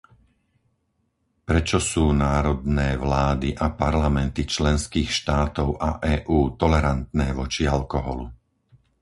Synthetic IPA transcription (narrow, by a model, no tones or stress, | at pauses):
pɾɛt͡ʃɔsuːnaːɾɔd̪nɛːʋlaːd̪iʔapaɾlamɛnt̪it͡ʃlɛnskiːxʃt̪aːt̪ɔʊʔaʔɛːʔuːt̪ɔlɛɾant̪nɛːʋɔt͡ʃialkɔɦɔ̰lu